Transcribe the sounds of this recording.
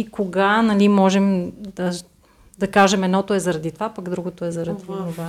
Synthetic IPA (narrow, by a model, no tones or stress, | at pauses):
ikoɡanɐlimɔʒɛmd̪ɐ | d̪ɐkaʒɛmɛd̪nɔt̪oɛzɐɾɐd̪it̪ovapɐɡd̪ɾuɡot̪oɛzɐɾɐd̪inova